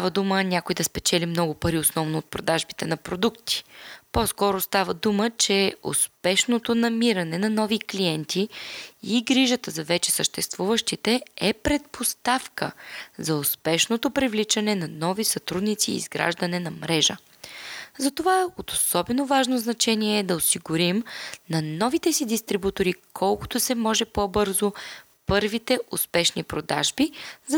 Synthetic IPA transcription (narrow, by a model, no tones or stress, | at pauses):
t̪avəd̪umənʲakojd̪ɐspɛt͡ʃɛlimnɔɡʊpɐɾiosnɔvnoːt̪̚pɾod̪aʒbit̪ɛnɐpɾod̪ukt̪i̥poskɔɾost̪avəd̪umət͡ʃɛʊ̰spɛʃnot̪onɐmiɾɐnɛnɐnɔvikliɛnt̪ʰiiɡɾiʒət̪əzɐvɛt͡ʃɛ̥səʃt̪ɛst̪vuvəʃt̪it̪ɛɛpɾɛt̪̚post̪afkə̰zɐʊspɛʃnot̪opɾivlit͡ʃɐnɛnɐnɔvisɐt̪ɾud̪nit̪sḭːzɡɾa̰ʒd̪ɐnɛnɐmɾɛʒə̰ | zɐt̪ovaot̪o̥sɔbɛnovaʒnoznɐt͡ʃɛniɛɛːd̪ɐosiɡʊɾimnɐnɔvit̪ɛsid̪ist̪ɾibut̪oɾikʰɔlˠko̥t̪osɛmɔʒɛpɔbɤɾzo | pɤɾvit̪ɛʔʊspɛʃnipɾod̪a̰ʒbiz